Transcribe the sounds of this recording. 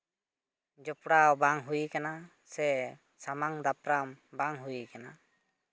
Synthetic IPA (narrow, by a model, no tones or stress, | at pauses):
d͡ʒɔpɽawbaŋɦujikana | sɛ | samaŋd̪apɾambaŋɦujikana